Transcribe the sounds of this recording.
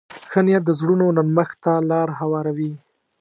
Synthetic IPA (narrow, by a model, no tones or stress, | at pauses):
xənjad̪əzɽunonanməxt̪alɑɾɦawɑɾawi